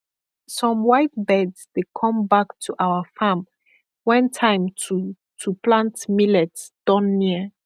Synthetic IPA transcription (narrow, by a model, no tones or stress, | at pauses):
sɔ̃mwajtbɛdsd̥ekʰɔ̃mbaktʰuʔawəfãm | wɛ̃ntʰãjmtʰu | tʰuplãntmilɛtsd̥ɔ̃nːiə